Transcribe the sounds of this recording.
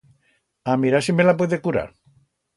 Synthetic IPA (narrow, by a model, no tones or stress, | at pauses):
amiɾasimelap̬weðekuɾa̰ɾ